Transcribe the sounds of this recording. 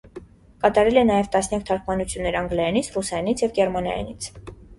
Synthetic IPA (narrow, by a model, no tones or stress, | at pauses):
kɑt̪ɑɾɛlɛnɑjɛvt̪ɑsnjɑk̚t̪ʰɑɾkʰmɑnut͡sʰjunːɛɾɑŋɡlɑjɑnit͡sʰrusɑjɑnit͡sʰjɛvɡɛɾmɑnɑ̰jɑ̰nḭt͡sʰ